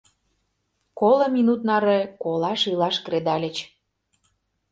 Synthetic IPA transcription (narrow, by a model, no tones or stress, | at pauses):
kolɤ̆mʲinut̪nɑɾekolɑʃilɑʃkred̪ɑlʲə̆t͡ɕ